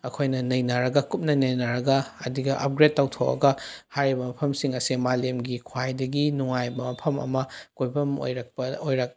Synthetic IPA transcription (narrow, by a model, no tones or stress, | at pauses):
ɐkʰojnɐnɐjnaɾɐɡɐkup̚nɐnɐjnaɾɐɡɐːdiɡɐʔɐ̰p̚ɡɾet̚ːawtʰowʔɐ̰ɡɐhaɾibɐmɐpʰɐmsiŋɐsemalemɡikʰwajdɐɡinuŋajbɐmɐpʰɐmɐ̰mɐkojbɐmo̰jɾɐk̚pɐojɾɐk̚